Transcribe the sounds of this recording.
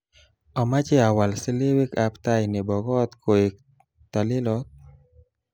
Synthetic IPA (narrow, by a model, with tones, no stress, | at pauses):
ɔ˨ma˦t͡ʃe˦a˨wa˨lsɪ˦le˦wi˦ka˦pt̪a˦jnɪ˨bɔ˨ɡɔ˦t̪kʰo˨e˨k̚ | t̪a˨lɪ˦lɔ˦t̪̚